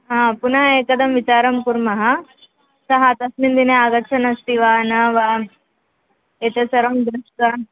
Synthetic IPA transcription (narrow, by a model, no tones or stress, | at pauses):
ɦãːpunaekɐd̪ɐmʋit͡ʃaːɾɐmkuɾmɐɦɐ | sɐɦat̪ɐsmind̪ineaɡɐt͡ʃʰɐnɐst̪iʋaːnɐʋa | et̪esɐɾomd̪ɾuʂkɐ